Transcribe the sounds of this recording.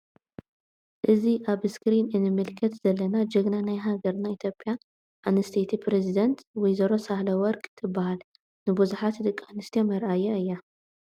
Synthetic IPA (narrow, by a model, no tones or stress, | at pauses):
ʔɨziʔaβskɾinɨnɨmɨlkʰɐt̪z̥ɐlːɐnad͡ʒɐɡnanajɦaɡɐɾnait̪ʰjo̞pʼːja | ʔanɨst̪ʰet̪ʰipʰɾezid̪ɐnt̪wɔjzɐɾo̞sahlɐwɔɾkʼt̪ʰɨbːahal | nɨbuzuħat̪d̪ɨkʼanɨst̪ʰiomɐɾʔajaɨjːa